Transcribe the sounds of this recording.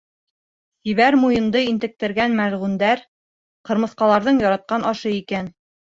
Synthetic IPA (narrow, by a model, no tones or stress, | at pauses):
t̪iβæɾmujɤ̆nd̪ɤint̪ɘ̆k̚t̪ɘ̆ɾɡænmælʁʉnd̪æɾ | qɤ̆ɾmɤ̆θqɑlˠɑɾðɤɴjɑɾɑt̪̚qɑnʔɑʃɤikæn